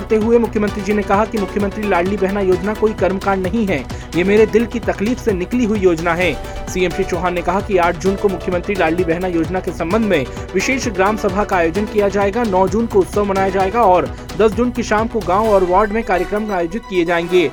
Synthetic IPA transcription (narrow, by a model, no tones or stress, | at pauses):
ɾt̪eɦʊemʊkʰjəmə̃nt̪ɾid͡ʒinekɐɦakimʊkʰjəmə̃nt̪ɾilaːɽlibɛɦnajoːd͡ʒnakoːikɐɾmkaːɳnɐɦĩɦɛ | jemeːɾed̪ɪlkit̪ɐkliːfsenɪkliɦʊijoːd͡ʒnaɦɛ̃ː | sieːmʃet͡ʃoːɦaːnːekɐɦakiaːʈʰd͡ʒuːnkomʊkʰːjəmə̃nt̪ɾilaːɽlibɛɦnajoːd͡ʒnakesɐ̃mbə̃nd̪ʱmẽ | ʋɪʃeːʃɡɾaːmsɐbʱakaaːjoːd͡ʒənkijad͡ʒaːeːɡanɔːd͡ʒuːnkoʊt̪səʋmɐnaːjad͡ʒaːeːɡaɔːɾ | d̪ɐsd͡ʒʊnkiʃaːmkoɡãːoɔːɾʋaːɾɖmẽkaːɾjəkɾəmkaːjoːd͡ʒɪt̪̚kijed͡ʒaːẽːŋɡeː